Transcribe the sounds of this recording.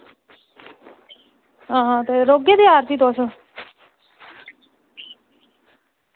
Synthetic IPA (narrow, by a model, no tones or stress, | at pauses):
ɦãːɦãːt̪eɾoːɡed̪eaːɾt̪iːt̪ʊaːsõ